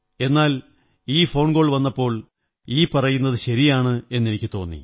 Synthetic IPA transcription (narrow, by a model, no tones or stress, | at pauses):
e̞nːaːl | iːfo̞ːɳɡo̞ːɭʋɐnːɐpːo̞ːɭ | iːpɐrɐjunːɐðɨɕɐɾijaːɳɨe̞nːenikʲːɨt̪o̞ːnːḭ